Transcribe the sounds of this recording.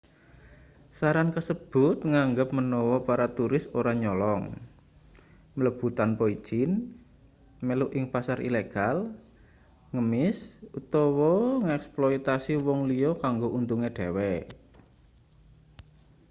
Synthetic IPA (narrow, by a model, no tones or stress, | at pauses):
saɾankəsəb̥ʊt̪̚ŋaŋɡəp̚mənɔwɔpaɾat̪uɾɪsoɾaɲɔlɔŋ | mələb̥ṳt̪anpoid̥ʒ̥ɪn | meluʔɪŋpasaɾʔḭleɡ̥al | ŋəmɪsut̪ɔwɔŋɛksploit̪asiwɔŋliɔkaŋɡoʔunt̪uŋeɖ̥ɛ̤wɛ